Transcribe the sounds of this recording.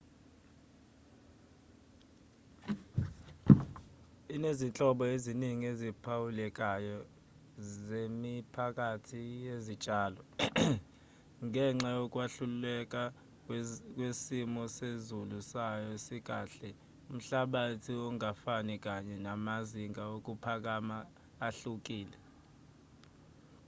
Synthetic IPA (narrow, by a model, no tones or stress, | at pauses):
inezint͡ɬʼɔɓɔeziniŋiezipʰawulɛk̬ʼajɔ | zemipʰakʼatʰijezid̥t͡ʃʼaːlɔ | ŋʱɛŋ͡ǁajɔkʼwaɬululɛk̬ʼa | k̬ʼwesimɔsezulusajɔesik̬ʼaːɬɛ | um̩ɬaɓatʰiɔŋafanik̬ʼaɲɛnamaziŋaok̬ʼupʰak̬ʼamaː | ɬuk̬ʼiːlɛ